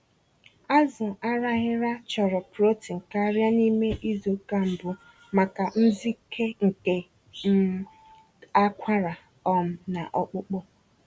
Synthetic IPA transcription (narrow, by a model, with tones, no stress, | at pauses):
a˦zʊ˨a˦ɾa˦ɣɪ˦ɾa˦t͡ʃɔ˨ɾɔ˨pɾo˦ti˨ŋ̩˨ka˦ɾja˦ni˦me˦ʔi˦zo˨ka˦m̩˨bʊ˨ | ma˨ka˨n̩˦zi˦kʰe˦ŋ̩˨ke˦ | m̩˦ | a˦kʷʰa˦ɾa˨ | ɔ˨m̩˨na˨ʔɔ˦k͡pʊ˦k͡pɔ˦